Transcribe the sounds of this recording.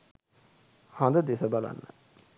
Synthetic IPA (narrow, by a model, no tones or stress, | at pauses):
hãnd̪ad̪esəbala̰nːa̰